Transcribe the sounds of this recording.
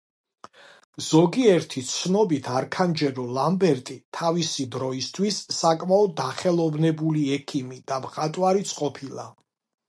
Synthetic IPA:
z̥ɔɡiɛɾt̪ʰit̪sʰnɔbit̪ʰaɾkʰand͡ʒɛɾɔlambɛɾt̪ʼit̪ʰavisid̪ɾɔist̪ʰwisːakʼmaɔd̪aχɛlˠɔvnɛbuliɛkʰimid̪̥amχat̪ʼwaɾit̪sʰʼqʼɔpʰilˠa

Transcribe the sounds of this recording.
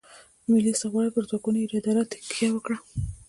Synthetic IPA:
mɪlisaɣwɑɽipəɾzwakunoiɾad̪ɑɾat̪ɪ̥kjawəkɽa

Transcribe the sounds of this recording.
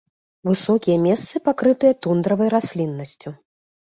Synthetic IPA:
vɨsɔkʲijɐmʲɛst̪sɨpakɾɨt̪ɨjɐt̪und̪ɾɐvɐjɾasʲlʲinːɐsʲt͡sʲu

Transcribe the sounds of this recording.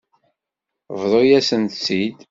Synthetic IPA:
vðˤojæsənt̪sid̪

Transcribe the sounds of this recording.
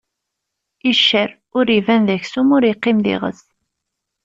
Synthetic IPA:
iʃːəɾ | ʊɾivænðæçsumʊɾjəqːɪmðḭʁə̰s

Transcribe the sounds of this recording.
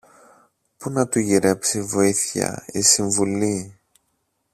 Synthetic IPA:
punɐt̪uʝiɾe̞psivo̞iθçɐ̰isiɱvuli

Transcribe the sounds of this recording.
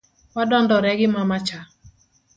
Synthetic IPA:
wadɔndɔɾɛɡɪmamat͡ʃa

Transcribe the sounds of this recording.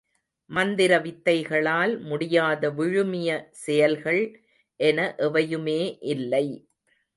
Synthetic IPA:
mɐnd̪ɪɾɐʋɪt̪ːɐɪɣɐɭaːlmʊɽɪjaːðɐʋɪɻɯmɪjɐsɛjɐlɣɐɭ | ʔɛnɐʔɛʋɐjɯmeːʔɪlːɐɪ

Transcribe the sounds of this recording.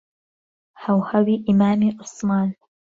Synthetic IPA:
hawhawiːʔɪmaːmiʔʊsˤmɑːn

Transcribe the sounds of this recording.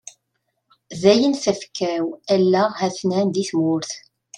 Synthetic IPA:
ðæjənθəfkʰːæwælːæhæθnænd̪iθmʊɾθ

